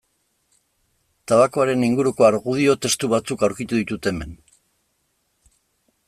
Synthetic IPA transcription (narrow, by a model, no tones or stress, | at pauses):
t̪aβako̞aɾe̞niŋɡuɾuko̞aɾɣuð̞io̞t̪e̞st̪uβ̞at͡sukawɾkit̪uðit̪ut̪e̞me̞n